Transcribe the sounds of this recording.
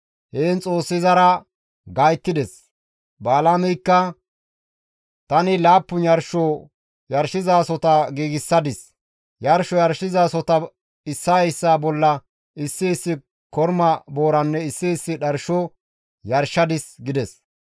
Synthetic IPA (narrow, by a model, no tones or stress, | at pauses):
heːnt͡sʼo̞ːsːɪzɐɾɐ | ɡajt̪ːɪd̪ɛs | baːlaːmɛjkːɐ | t̪ɐnɪlaːpːʊnjɐɾʃɔ | jɐɾʃɪzaːsɔt̪ɐɡiːɡɪsːɐd̪ɪs | jɐɾʃɔjɐɾʃːɪzaːsɔt̪ɐ | ɪsːɐjsːaːbɔlːɐ | ɪsːɪːsːɪ | kɔɾmɐbo̞ːɾɐnːɛɪsːɪɪsːɪɗɐɾʃɔ | jɐɾʃɐd̪ɪsɡɪd̪ɛs